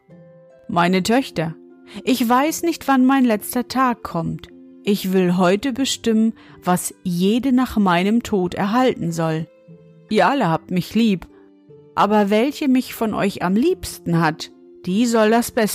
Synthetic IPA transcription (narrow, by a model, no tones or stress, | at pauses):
maɪnətʰœçtɐ | ʔɪçv̥aɪsnɪçtv̥anmaɪnlɛt͡stɐtʰaːkʰːɔmt | ʔɪçv̥ɪlɦɔʏtəbəʃtɪmən | vasjeːdənaːχmaɪnəmtʰoːtɛ̰ɐɦaltn̩zɔl | ʔiːɐʔaləhaːp̚tmɪçliːp | ʔaːbɐvɛlçəmɪçfɔnʔɔ̰ʏça̰mliːpstn̩hat | d̥iːzɔldasb̥ɛs